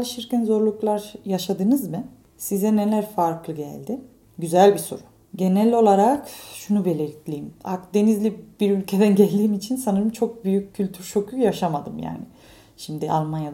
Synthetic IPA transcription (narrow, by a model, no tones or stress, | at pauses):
lˠɯʃɯɾkɯnzo̞ɾlˠuklˠaɾjaʃad̪ɯnɯzmɯ | sizɛne̞lʲæɾfaɾklˠɯɟæ̰lʲd̪ɪ | ɟyzælʲbiso̞̰ɾu̥ | ɟe̞nælʲo̞lˠaɾakʃunube̞lʲelʲiclʲejima̰kd̪e̞nizlʲib̥iɾylʲcʰe̞d̪ænɟælʲd̪iːmit͡ʃʰinsanɯɾɯmt͡ʃʰo̞k̚byjycʰːylʲt̪ʰyɾʃo̞kʰyjaʃamad̪ɯmja̰ːnɪ | ʃimd̪ɪʔa̰lˠmanjad̪